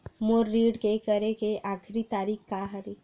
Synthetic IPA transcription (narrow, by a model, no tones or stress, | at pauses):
moːɾːiːɖkekəɾekeʔaːkʰɾit̪aːɾiːkkːaɦəɾi